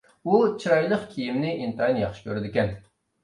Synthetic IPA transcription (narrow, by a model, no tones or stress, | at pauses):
ut͡ʃʰiɾɑjlˠəqkʲʰijimnɪʔint̪ɑjnjɑχʃɪ̥kʲʰøɾɪd̪ɪkʲɛn